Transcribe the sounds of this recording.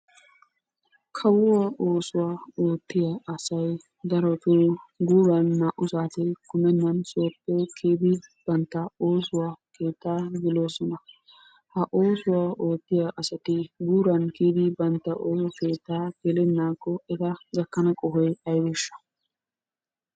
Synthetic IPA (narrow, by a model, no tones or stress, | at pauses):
kʰɐwʊwaːʔo̞ːsʊwaːo̞ːt̪ːɪjaɐsɐj | d̪ɐɾɔt̪uɡuːɾɐnːaːʔʊsaːt̪ɛkʊmɛnːɐnsoːpːɛkʰeːd̪ɪb̥ɐnt̪ːɐoːsʊwaːke̞ːt̪ːaːɡɪlo̞ːsɔnɐ | hɐʔoːsʊwaːʔoːt̪ːɪjaʔɐsɐt̪ɪɡuːɾɐnkeːd̪ɪbɐnt̪ːɐʔoːsɔkeːt̪ːaːɡ̥ɛlɛnːaːkːɔɛd̪ɐɡɐkːɐnɐkʼɔɦɔjɐjwɛʃːɐ̥